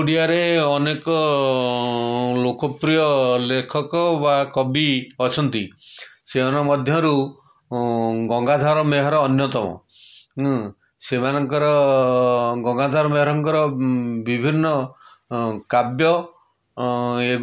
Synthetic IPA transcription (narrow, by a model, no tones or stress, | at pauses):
ɽijaɾeɔnekɔ | lokɔpɾijɔlekʰɔkɔbakɔbiɔt͡ʃʰɔnt̪isemanɔmɔd̪ʱjɔɾu | ɡɔŋɡad̪ʱaɾɔmeɦɔɾɔːnjɔt̪ɔmɔ̰ | semanɔŋkɔɾɔ | ɡɔŋɡad̪ʱaɾɔmeɦɔɾɔŋkɔɾɔbibʱinːɔ | kabjɔ | e